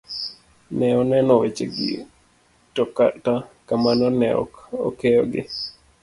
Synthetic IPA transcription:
nɛɔnɛnɔwet͡ʃeɡɪ̰ | tɔkatakamanɔnɛɔ̰kɔ̰keɔɡɪ

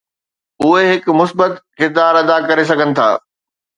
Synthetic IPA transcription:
ʊɦeɦɪkmʊsbət̪xɪt̪aːɾɐd̪akɐɾes̬ɐɡʱənɪ̆t̪ʰa̰ː

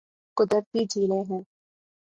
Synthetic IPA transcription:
kʊd̪əɾt̪id͡ʒiːlẽɦɛ̃ː

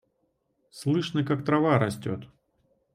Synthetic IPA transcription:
slˠɨʂnəkakt̪ɾɐvaɾɐsʲtʲo̰t̪

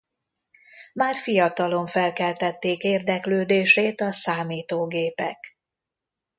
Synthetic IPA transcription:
maːrfijɒt̪ɒlo̞ɱfɛlkɛlt̪ɛt̪ːeːkeːrd̪ɛkløːd̪eːʃeːt̪ɒsaːmiːt̪oːɡeːpɛk

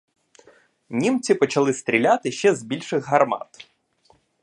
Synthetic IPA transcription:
nʲimt͡sʲipɔt͡ʃɐlˠɪst̪ɾʲilʲat̪ɪʃt͡ʃɛzbʲilʲʃɪɣɦɐrmɑ̰t̪

